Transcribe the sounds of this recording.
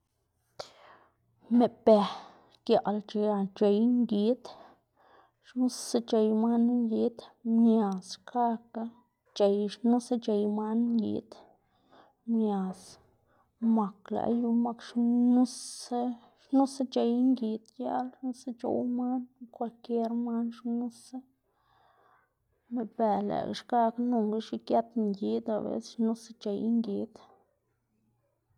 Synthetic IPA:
me˨pe˨˧ | kja˨ʔlt͡ʃe˧t͡ʃe˨jŋɡi˧t̪ | ʃnu˦se˦t͡ʃe˨jma˦nŋɡi˧˦d̪mɲja˨ska˦ka˧ | t͡ʃe˨jʃnu˦se˦t͡ʃe˧jma˦nŋɡḭ˨d̪ | mɲʲa˨s | ma˨kla̰˨ʔju˧ma˧kʃnu˦s | ʃnu˦sa˦t͡ʃe˨jŋɡi˨d̪ja̰˦lnu˦se˦t͡ʃo̰˨wma˦nkʷa˧lke˦ɾma˦nʃnu˦sa˦ | me˨be˨lḛ˨kʃɡa˦knu˧ŋɡa˦ʃi˧kja˦t̪ŋɡi˦d̪a̰˨bḛ˦sʃnu˦sa˦t͡ʃe˨jŋɡi˨d̪

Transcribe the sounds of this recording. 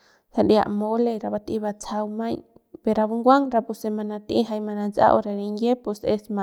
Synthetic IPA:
sa˧di˧a̰˧ʔmo˧le˧ɾa˧βa˧t̪i˧βa˧t͡sʰa˧wmã˦j | pe˧ɾa˧βu˧ŋɡʷa˦ŋɾa˧pu˧se˧mã˧nã˧t̪ĩ˧ɦa˧jmã˧nã˧nt͡sa̰˦˧ʔo̰˧ɾa˧ɾi˧ŋje˦pu˧se˧smã˧

